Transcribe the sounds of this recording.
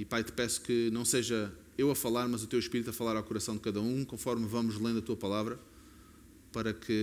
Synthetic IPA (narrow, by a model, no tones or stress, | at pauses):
ipajt̪ɨ̥pɛsu̥kɨnɐ̃w̃seʒɐ | ewɐfɐlˠaɾmɐzut̪ewʃpiɾit̪uɐfɐlˠaɾawkuɾɐsɐ̃w̃d̪ɨkɐðɐũkõfɔɾmvɐmuʒlˠẽd̪ɐt̪uɐpɐlˠavɾɐ | pɐɾɐkʰɨ